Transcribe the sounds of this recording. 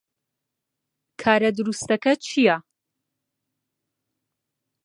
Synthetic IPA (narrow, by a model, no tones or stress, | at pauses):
kʰaːɾɐd̪uɾust̪ɐkɐt͡ʃʰija